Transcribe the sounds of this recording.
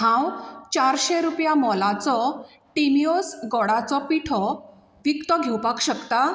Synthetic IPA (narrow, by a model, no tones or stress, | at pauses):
ɦãwt͡ɕaɾɕeɾupjamɔlat͡sɔ | ʈimiosɡɔɽat͡sɔpiʈʰɔ | ʋikt̪ɔɡʱewpakɕəkt̪a